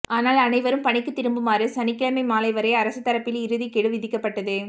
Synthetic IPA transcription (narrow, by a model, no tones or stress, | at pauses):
ʔaːnaːlɐnɐɪʋɐɾɯmpɐɳɪkːɯt̪ːɪɾɯmbɯmaːrɯsɐnɪkːɪɻɐmɐɪmaːlɐɪʋɐɾeːɐɾɐsɯt̪ːɐɾɐpːɪlɪɾɯðikɛɽɯʋɪðɪkːɐpːɐʈːɐðɯ